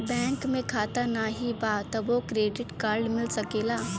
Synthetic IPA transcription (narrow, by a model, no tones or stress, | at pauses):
bɛ̃ːŋkmẽkʰaːt̪anaɦibat̪ɐbokɾeːɖɪʈkaːɾɖmɪlsɐkeːlaː